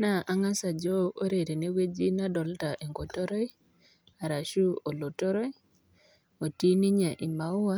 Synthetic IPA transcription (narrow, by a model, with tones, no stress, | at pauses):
na˨ʔa˦ŋa˦sa˨d͡ʒɔ˦o˦ɾe˨ɾe˨ne˦we˦d͡ʒi˦na˦dɔ˨lta˨ʔe˨ŋɡo˨tɔ˦ɾɔ˦j | a˨ɾa˨ʃu˦o˨lo˨to˦ɾɔ˦j | o˨ti˦ni˦ɲa˨ʔɪ˨ma˨ʊ˦wa˦